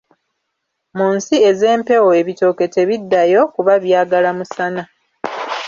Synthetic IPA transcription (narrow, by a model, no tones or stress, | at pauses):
muːnsie̞ze̞ːmpe̞woe̞βito̞ke̞te̞βidːajo̞kuβaβjaːɡalamusana